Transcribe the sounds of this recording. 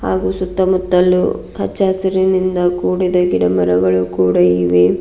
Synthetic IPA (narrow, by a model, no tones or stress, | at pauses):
ha̰ːɡusut̪ːɐmut̪ːɐlṵ | hɐ̰t͡ʃːaːsɐɾinind̪ɐkuːɽid̪ɐɡiɽɐmɐɾɐɡɐɭukuːɽɐiʋe